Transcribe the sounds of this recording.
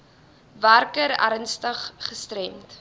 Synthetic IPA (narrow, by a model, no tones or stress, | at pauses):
værkəɾæ̰ɾnstəχχəstrɛmt